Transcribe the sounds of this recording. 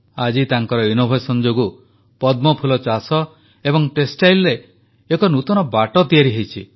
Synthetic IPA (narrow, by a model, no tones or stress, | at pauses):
ad͡ʒit̪aŋkɔɾɔinobʱejsɔnd͡ʒoɡu | pɔd̪mɔpʰulɔt͡ʃasɔ | ebɔŋʈesʈajlɾeː | kɔnut̪ɔnɔbaʈɔt̪iaɾiɦejt͡ʃʰḭ